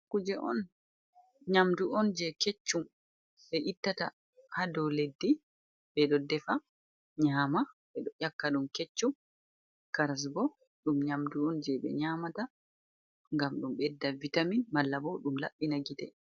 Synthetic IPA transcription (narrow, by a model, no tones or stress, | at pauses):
kud͡ʒɛʔɔ̰n | ɲamduɔnd͡ʒɛket͡ʃːum | ɓɛʔitːata̰ | hadɔwledːi | bɛɗɔdɛfa | ɲaːmaɓɛɗɔʔakːaɗumket͡ʃːum | kaɾas̬bɔ | ɗumɲamduɔnd͡ʒɛɓɛ̰ɲamata | ŋɡamɗumɓɛdːavitaminmalːabɔɗumla̰ɓːinaɡitɛ̰